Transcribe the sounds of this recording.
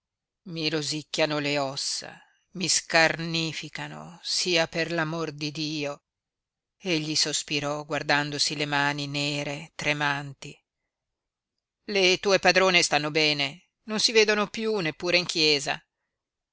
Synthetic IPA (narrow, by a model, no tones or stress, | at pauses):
miɾozikːjanoleɔsːa̰ | miskarniːfikano̰siːaperlamord̪id̪iːo | eʎːisospiɾɔɡward̪and̪osilemaːnineːɾet̪ɾemant̪i | let̪uːepad̪ɾoːnest̪anːobɛːne | nonsiveːd̪onopjunepːuːɾeiŋkjɛːza̰